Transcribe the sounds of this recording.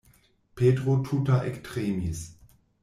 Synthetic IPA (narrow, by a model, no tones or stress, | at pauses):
pʰeːdʁotʰutaʔɛktʁeːmis